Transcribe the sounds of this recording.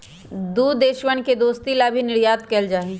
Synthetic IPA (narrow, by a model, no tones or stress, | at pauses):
d̪uːd̪d̪eːʃwənked̪oːst̪ilabʱinɪɽjaːt̪kɛld͡ʒaːɦẽː